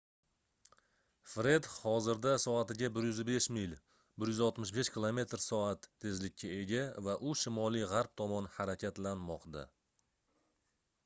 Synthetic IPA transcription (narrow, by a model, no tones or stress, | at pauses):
fɾe̞d̪hɒzɪɾd̪asɒat̪ɪɡʲabɪɾjʏzbe̞ʃmɪlʲ | bɪɾjʏzɒlˠt̪mɪʃbe̞ʃkʲɪlˠome̞t̪ɾsɒat̪ʰːe̞zlɪkʲʰːae̞ɡʲavaʔʊʃɪmɒlˠijʁaɾp̚t̪ʰɒmɒnhaɾakʲʰat̪lanmɒqd̪a̰